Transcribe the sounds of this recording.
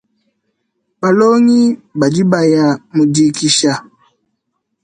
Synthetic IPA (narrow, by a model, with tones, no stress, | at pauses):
ba˨lo˦ŋi˦ba˨d͡ʒi˦ba˨ja˨mu˨di˨ki˨ʃa˨